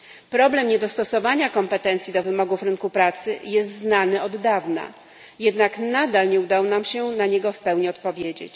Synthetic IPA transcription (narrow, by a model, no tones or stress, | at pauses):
pɾɔblɛmɲɛd̪ɔst̪ɔsɔvaɲakɔmpɛt̪ɛnt̪sʲjid̪ɔvɘmɔɡufɾɘnkupɾat̪sɘjɛst̪znanɘɔd̪ːavna̰ | jɛd̪naknad̪alɲɛud̪awnamɕɛnaɲɛɡɔfpɛwɲiɔt̪̚pɔvʲjed͡ʑḛt͡ɕ